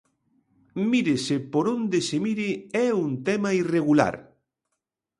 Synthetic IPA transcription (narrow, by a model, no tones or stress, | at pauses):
miɾɪsɪpoɾond̪esemiɾɪɛuŋt̪ɛmɐireɣula̰ɾ